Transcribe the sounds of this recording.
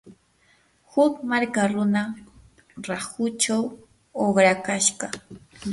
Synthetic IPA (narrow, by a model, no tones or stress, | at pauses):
hʊkmaɾkaɾʊna | ɾahʊt͡ʃaw | obɾakaʃɢɑ